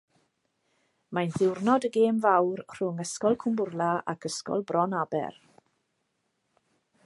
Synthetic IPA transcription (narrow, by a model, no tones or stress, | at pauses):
majnðɪwrnɔdəɡeːmvawrr̥ʊŋəskɔlˠkʰʊmbʊrlˠaa̰kʰəskɔ̰lˠbrʔɔnabɛ̰r